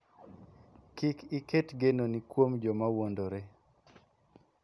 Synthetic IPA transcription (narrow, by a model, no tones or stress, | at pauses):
kɪkiketɡenonikwomd͡ʒɔmawondoɾe